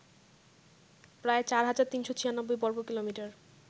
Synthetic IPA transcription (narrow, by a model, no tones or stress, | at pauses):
pɾaet͡ɕaɾɦad͡ʑaɾt̪inʃot͡ɕʰijanɔbːojbɔɾbokilomiʈaɾ